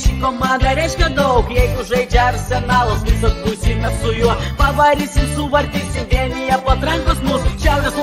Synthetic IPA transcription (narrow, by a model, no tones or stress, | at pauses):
ʃʲikomɑnd̪ɐɾʲɛɪʃʲkʲɛd̪ɐʊkjɛɪɡʊʒɐɪd͡ʒʲɛɐrsʲɛnɑːlˠosmʲɪsʲot̪ɾʊsʲimʲɛsʊjuɔpɐʋɐɾʲiːsʲɪmsʊʋɐɾʲd̪ʲiːsʲɪmdʲiɛnʲɪjɛpɐt̪ɾɐŋkosmʊsʃʲæʊɾʲɛs